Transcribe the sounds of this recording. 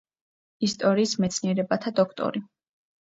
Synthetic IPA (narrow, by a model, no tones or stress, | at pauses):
ist̪ʼɔɾiːsmɛt̪sʰniɛɾɛbat̪ʰad̪ɔkʰt̪ʼɔ̰ɾi